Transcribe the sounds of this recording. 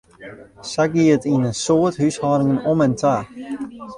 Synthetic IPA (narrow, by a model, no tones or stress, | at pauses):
saɡiətinənsoəthyshɑːɾɪŋənɔmɛntʰa